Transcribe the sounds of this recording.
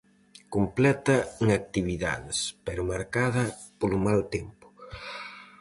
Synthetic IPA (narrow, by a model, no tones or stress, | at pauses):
komplɛt̪ɐeŋak̚t̪iβiða̰ðespɛɾʊmaɾkaðɐpolʊmalt̪ɛmpʊ̥